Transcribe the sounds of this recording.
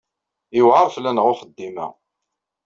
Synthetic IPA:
ɪwʕɑðˤflænəʁʊχəd̪ːimæ̰

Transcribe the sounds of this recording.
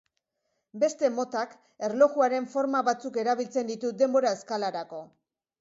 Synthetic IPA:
be̞st̪e̞mo̞t̪ak | e̞ɾlo̞ɣuaɾe̞ɱfo̞ɾmaβat͡suke̞ɾaβilt͡se̞nd̪it̪ud̪e̞mbo̞ɾaeskalaɾako̞

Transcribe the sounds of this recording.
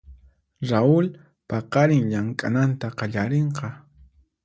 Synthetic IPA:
ɾaʊl | pɑqɑɾɪŋʎaŋkʼa̰nant̪aqɑʎaɾeɴqɑ

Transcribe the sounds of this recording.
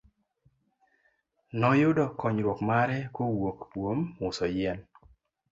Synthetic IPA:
nɔjʊdɔkɔɲɾwokmaɾɛkowokpwomʊsɔjɛn

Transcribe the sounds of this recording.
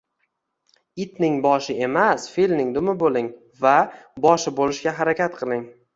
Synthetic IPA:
ɪt̪nɪŋbɒʃɪe̞masfilnɪŋd̪ʊmɪbolɪŋ | vabɒʃɪbolɪʃɡʲaɦaɾakʲʰat̪̚qʰɨlˠɪŋ

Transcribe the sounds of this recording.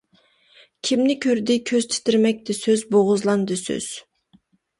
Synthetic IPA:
kʲʰimnɪkʲʰøɾd̪ɪkʲʰøz̥t̪ʰɪ̥t̪ɪɾmɛk̚ʲd̪ɪsøzboʁʊzlˠɑnd̪ɨsø̰z̥

